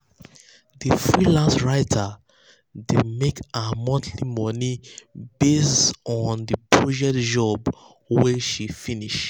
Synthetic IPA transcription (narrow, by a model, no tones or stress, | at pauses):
difɹilãnsɹaɪtʰa | demekamɔ̃ntʰlimɔnibestɔ̃ndəpʰɹɔd͡ʒɛk̚td͡ʒɔb | wɛʃifiniʃ